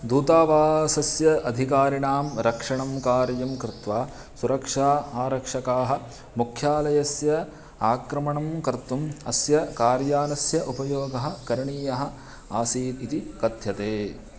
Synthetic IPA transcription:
d̪uːt̪aːʋaːsɐsjɐɐd̪ʱikaːɾiɳaːmɾɐkʂɐɳɐmkaːɾjɐmkɾɪt̪ʋaː | suɾɐkʂaːaːɾɐkʂɐkaːɦɐ̆ | mukʰjaːlɐjɐsjɐ | aːkɾɐmɐɳɐmkɐɾt̪ːumɐsjɐkaːɾjaːnɐsjɐʔupɐjoːɡɐɦɐ̆kɐɾiɳiːjɐɦɐ̆ | aːsiːit̪ikɐd̪ʱjɐt̪eː

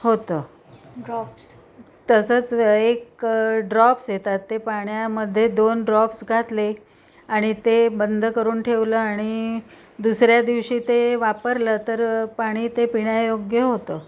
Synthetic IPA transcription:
ɦot̪əː | ɾɔps | t̪əsəːt͡sekɖɾɔpsjet̪at̪ːepaɳjaməd̪ʱːjed̪onɖɾɔpsɡʱat̪le | aɽ̃it̪ebənd̪ʱəkəɾuːnʈʰeʋləːaɽ̃i | d̪usɾjad̪iʋɕiːt̪eʋapəɾlət̪əɾpaɽ̃iːt̪epiɳjajoɡjəɦot̪əː

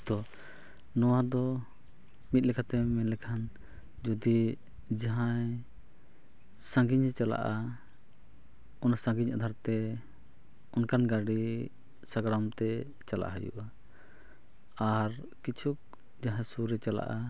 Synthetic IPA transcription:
d̪̥ɔ | nɔwad̪ɔ | mit̪̚lɛkʰat̪ɛmɛnlɛkʰan | d͡ʒɔd̪i | d͡ʒaɦãj | sãŋɡiɲhɛt͡ʃala̰ʔa | ɔnasãŋɡiɲad̪ʱaɾt̪ɛ | ɔnkanɡaɖi | saɡɾamt̪ɛ | t͡ʃala̰ʔa̰ɦəjṵʔa | aɾ | kit͡ʃʰuk̚ | d͡ʒaɦãsuɾɛt͡ʃala̰ʔa

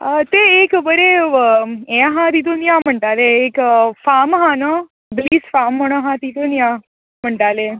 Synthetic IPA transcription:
ət̪eːkbəɾe | ẽɦãt̪it̪̬unjam̤əɳʈaleːkfamɦanə | bliːsfamːəɽ̃əɦãt̪it̪onja | m̤əɳʈale

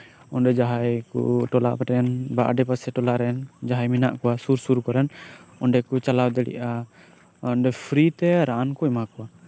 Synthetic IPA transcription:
ɔnɖɛd͡ʒaɦajkṵʈɔla̰ʔpɛʈɛnbaʔɖɛpasɛʈɔlaɾɛnd͡ʒaɦajminaʔkɔwasuɾsuɾkɔɾɛnɔɳɖɛkut͡ʃalawd̪ɛɽɛ̰ʔa | ɔnɖɛpʰɾit̪ɛɾankɔɛmakɔwa

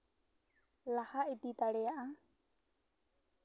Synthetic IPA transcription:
lahaʔit̪it̪aɽɛjaʔa

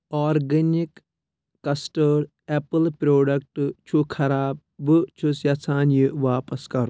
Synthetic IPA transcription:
ɔːɾɡɐnikː | ɐsʈəɾ | epɨlpɾoːɖɐk̚ʈt͡ʃʰukʰɐɾaːb̚ | bɨt͡ʃʰusjɐsʰaːnjiʋaːpɐskɐɾu

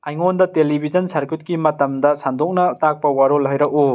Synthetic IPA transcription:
ajŋondɐtelibʱizɐnsɐɾkut̚kimɐtɐmdɐsandok̚nɐtak̚pɐwaɾolɦɐjɾɐʔu

